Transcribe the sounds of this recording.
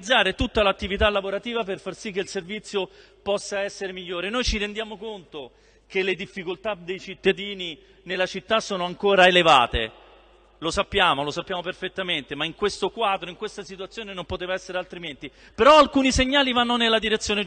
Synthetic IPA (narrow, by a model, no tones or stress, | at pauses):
d̪zːaːɾet̪ut̪ːalat̪ːivit̪alːavoɾat̪iːvaperfarsikːeilservit̪sːjo | pɔsːaɛsːeɾemiʎːoːɾenojt͡ʃiɾend̪jaːmokont̪o | keled̪ifːikolt̪ad̪ejt͡ʃit̪ːad̪iːni | nelːat͡ʃit̪ːasoːnoaŋkoːɾaeleva̰ːt̪ḛ | losapːjaːmolosapːjaːmoperfet̪ːament̪emaiŋkwest̪okwaːd̪ɾoiŋkwest̪asit̪uat̪sːjoːnenompot̪eːvaɛsːeɾealt̪ɾiment̪i | peɾɔalkuːniseɲːaːlivanːonelːad̪iɾet̪sːjoːne